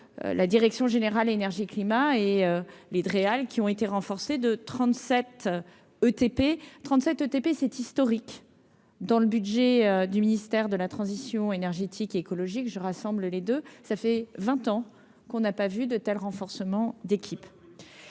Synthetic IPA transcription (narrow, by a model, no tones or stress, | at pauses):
lad̪iʁɛksjɔ̃ʒeneʁalenɛʁʒiklimaeøled̪ʁealkʲiɔ̃et̪eʁɑ̃fɔʁsed̪ət̪χɑ̃t̪sɛt̪ | øt̪epet̪χɑ̃t̪sɛt̪øt̪epesɛt̪ist̪ɔʁik | d̪ɑ̃ləbyd̪ʒɛød̪yminist̪ɛʁd̪əlat̪χɑ̃zisjɔ̃enɛʁʒet̪ʰikeekɔlɔʒikʒəʁasɑ̃bləled̪øsafɛvɛ̃t̪ɑ̃ | kɔ̃napavyd̪ət̪ɛlʁɑ̃fɔʁsəmɑ̃d̪ekʲʰip